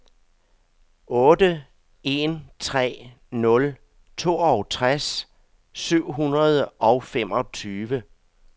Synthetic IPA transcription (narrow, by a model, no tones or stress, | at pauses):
ɔ̽ːd̥ə | e̝nt͡sʰʁɛ̰ː | nɔ̽l | t͡sʰo̝̰ːɒʊt͡sʰʁas | syʊ̰ɦunʁɐð̞ˠɒ̽ʊfemɒ̽t͡sʰyːʋə